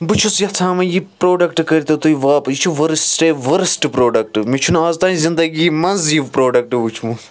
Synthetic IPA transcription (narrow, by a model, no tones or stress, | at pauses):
but͡ʃʰusjɐt͡sʰãːmɐjipɾoːɖɐkʈkɐɾʲit̪ɐt̪uiʋaːpjit͡ʃʰuʋɐɾsʈeʋɐɾsʈpɾoːɖɐk̚ʈɨmit͡ʃʰunaːzt̪aːnizind̪ɐɡiːmɐnzjiʋpɾoːɖɐk̚ʈɨʋut͡ʃʰmu